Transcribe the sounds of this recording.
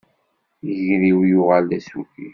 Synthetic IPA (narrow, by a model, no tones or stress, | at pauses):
əʝɾiwjʊʁəld̪æsuki